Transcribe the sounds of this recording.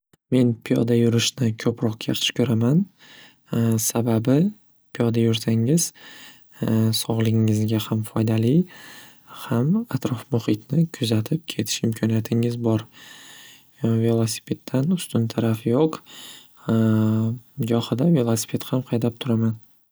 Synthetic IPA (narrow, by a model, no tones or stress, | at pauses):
me̞npʰijɒ̰d̪ajʊɾɪʃnɪkʰɵpɾɒq̚kʲʰeɾt̪ʰɪ̥ʃkʲʰɵɾaman | sababɪ | pʰijɒd̪ajʊɾsaŋɪz̥ | sɒʁlˠɪŋːɪzɡʲahamfɒjd̪ali | hamat̪ɾɒfmʊhɪt̪nɪkʰʊzat̪ʰɪp̚kʲʰe̞t̪ʰɪ̥ʃɪmkʰɒnijat̪ʰɪŋɪzbɒɾ | ve̞lˠosi̥pʰe̞t̪ʰːanʊst̪ʊnt̪ʰaɾafjoq | d͡ʒɒχɨd̪ave̞lˠosi̥pʰe̞t̪hamqʰɑjd̪ap̚t̪ʰʊɾaman